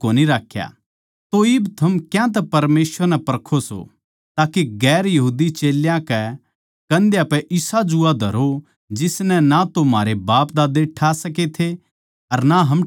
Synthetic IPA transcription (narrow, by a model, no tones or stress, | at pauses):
oːniɾaːkʰːja̰ | t̪oɪbt̪ʰɐmkjãt̪̬ɛpɐɾmeːsʋəɾnɛpɐɾkʰoso̰ | t̪aːkeɡɛːɾjɐɦuːd̪it͡ʃeːljãkɛ | kɐ̃nd̪japɛʔɪsad͡ʒʊad̪ʱɐɾo | d͡ʒɪsnɛnat̪omaːɾebaːpd̪aːd̪eʈʰasɐk̬et̪ʰe | ɐɾnaɦɐm